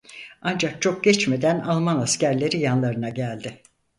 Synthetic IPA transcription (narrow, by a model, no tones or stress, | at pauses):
and͡ʒak̚t͡ʃʰo̞k̚ɟɛt͡ʃme̞d̪ænalˠmanascæɾlʲe̞ɾijanlˠaɾɯnaɟælʲd̪ɪ